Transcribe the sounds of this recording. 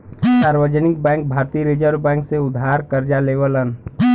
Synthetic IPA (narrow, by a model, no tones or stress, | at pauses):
saːɾʋəd͡ʒənɪk̚bɛ̃ːŋk̚bʱaːɾt̪iɾed͡ʒəɾbɛ̃ːŋkseʊd̪ʱːaːɾkəɾd͡ʒaleːʋələn